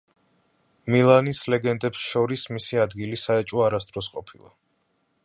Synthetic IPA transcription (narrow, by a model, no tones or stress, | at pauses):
milˠanislɛɡɛnd̪ɛpsʃɔɾismisiad̪ɡilisaɛt͡ʃʼɔaɾast̪ʼɾɔsqʼɔpʰilˠa̰